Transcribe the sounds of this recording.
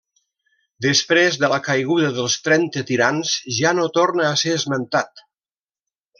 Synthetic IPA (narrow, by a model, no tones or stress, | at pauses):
d̪əspɾezðələkajɣ̞uðəðəlˠst̪ɾɛnt̪ət̪iɾanzʒanot̪oɾnəːseəzmənt̪at̪